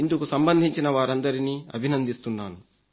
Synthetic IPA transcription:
ind̪ukusɐmbɐnd̪ʱiɲt͡ʃinɐʋaːɾɐnd̪ɐɾiniːɐ̰bʱinɐnd̪ist̪unːaːnu

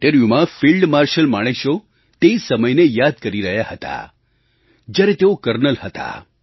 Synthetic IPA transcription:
ʈeɾiumãfilɖmaɾʃəlmaɽ̃eʃo | t̪eisəməjnejad̪̚kəɾiɾəɦjahət̪a̰ | d͡ʒjaɾet̪eokəɾnəlhət̪a̰

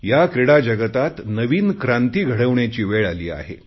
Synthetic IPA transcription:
jakɾeɽad͡ʑəɡət̪at̪nəʋiːnkɾãnt̪iːɡʱəɽəʋɳjat͡ɕiːʋeɭaliːa̰ɦḛ

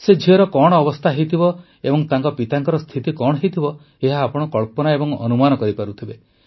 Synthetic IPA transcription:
sed͡ʒʱiɔɾɔkɔɽ̃ɔːbɔst̪ʰaɦejt̪ʰibɔ | ebɔŋt̪aŋkɔpit̪aŋkɔɾɔst̪ʰit̪ikɔɽɔɦejt̪ʰibɔ | eɦaːpɔɽ̃ɔkɔɭpɔnaebɔŋɔ̰numanɔkɔɾipaɾut̪ʰibe

